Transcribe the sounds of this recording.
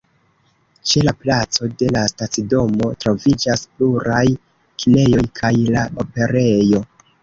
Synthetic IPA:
t͡ʃe̞laplat͡so̞de̞lastat͡sido̞mo̞tɾo̞vid͡ʒaspluɾaj | kine̞jo̞jkʰajlaope̞ɾe̞jo̞

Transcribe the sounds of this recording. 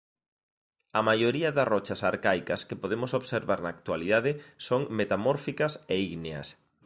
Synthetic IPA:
ɐmajoɾiɐðɐsrɔt͡ʃɐsaɾkajkɐskepoðemʊsoβseɾβaɾnaːk̚t̪waliðaðɪsoŋmet̪amɔɾfikɐseiɣneɐ̰s

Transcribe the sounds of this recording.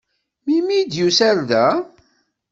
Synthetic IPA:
mimid̪jusæɾðæ

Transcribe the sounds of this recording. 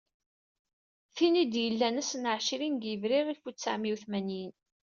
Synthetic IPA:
θinid̪jəlːænəsnʕʃiɾinɡjəvɾiʁifut͡sːa̰ʕmiwθmænin

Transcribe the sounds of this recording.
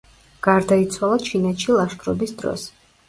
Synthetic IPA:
ɡ̥aɾd̪ait̪sʰwalˠat͡ʃʰinɛt̪ʃilˠaʃt̪ɾɔbisd̪ɾɔ̰s

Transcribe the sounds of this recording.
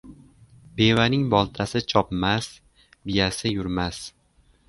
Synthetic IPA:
be̞vanɪŋbɒlˠt̪ʰasɪt͡ʃʰɒpmas | bɪjasɪjʊɾmas

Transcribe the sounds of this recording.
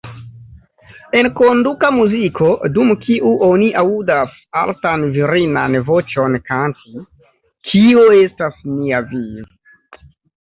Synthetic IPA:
e̞nko̞ndukamuzikʰo̞dumkʰiʔuʔo̞niʔaudas | a̰ltanviɾina̰nvo̞t͡ʃo̞nkanti | kʰioe̞stasmiavi

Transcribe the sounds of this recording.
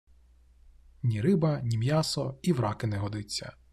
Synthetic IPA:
nʲiɾɪbɐnʲimjasɔiʋɾɑkɪnɛɦɔd̪ɪt͡sʲːɐ̰

